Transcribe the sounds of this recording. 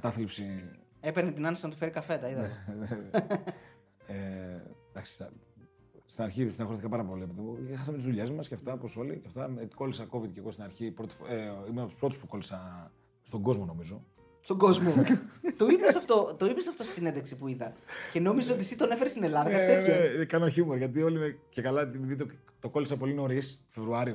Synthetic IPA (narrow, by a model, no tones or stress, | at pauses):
kɐt̪ɐθlipsi | epenet̪inɐnesinɐt̪o̥feɾikɐfe̞t̪ɐiðɐne | ed̪ɐksi̥ | st̪inɐɾçisinɐxoɾeθikɐpɐɾɐpo̞liepiðimuexɐsɐmet̪izðuʎezmɐsceɐft̪ɐoposo̞liceft̪ɐeko̞lisɐko̞vit̪ceɣost̪inɐɾçipɾot̪i̥feimenɐpt̪u̥spɾot̪uspuko̞lisɐ | st̪oŋɡo̞zmo̞no̞mizo̞ | st̪oɡozmot̪oipesɐft̪o̞t̪o̞ipesɐft̪osi̥sinend̪eksipuiðɐnce̞no̞mizeso̞t̪isit̪onefeɾist̪ine̞lɐðɐnkɐeɐsekɐnoçumeɾʝɐt̪̬io̞limecekɐlɐt̪imiðit̪e | t̪oko̞lisɐpo̞lino̞ɾisfevɾuɐɾio